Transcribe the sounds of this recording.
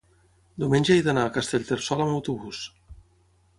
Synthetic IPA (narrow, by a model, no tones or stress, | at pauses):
d̪umenʲʒajðanaːkast̪eʎʲt̪eɾsɔlamawt̪uβus